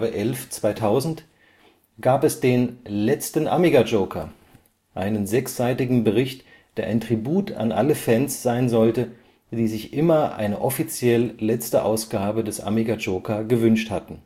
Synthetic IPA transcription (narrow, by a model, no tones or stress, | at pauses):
əʔɛlft͡sv̥aɪtʰaʊzn̩t | ɡ̥aːpɛsd̥eːnlɛt͡stn̩ʔa̰miɡad͡ʒoʊkʰɐ̰ | ʔaɪnənzɛksz̥aɪtɪɡŋ̩bəʁɪçt | d̥eːɐʔaɪntʁ̥ibuːtʰa̰nʔa̰ləfɛnsz̥aɪnzɔltə | d̥iːzɪçʔɪmɐʔa̰ɪnəʔɔfit͡sjɛlːɛt͡stəʔa̰ʊsɡ̥aːbədɛsʔa̰miɡad͡ʒoːkʰɐɡəvʏnʃthatn̩